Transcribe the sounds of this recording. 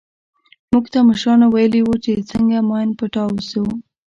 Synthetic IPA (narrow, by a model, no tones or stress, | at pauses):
muɡt̪aməʃɾɑnawajəliwut͡ʃet͡səŋɡamɑnpəʈɑwsew